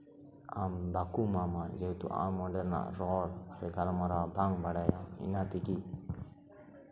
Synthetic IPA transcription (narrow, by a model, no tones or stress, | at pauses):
a̰mbakumamad͡ʒɛt̪ṵʔa̰mːɔɖɛɾna̰ʔɾɔɔɾsɛɡalamaɾabaŋbaɽajaḭnat̪iki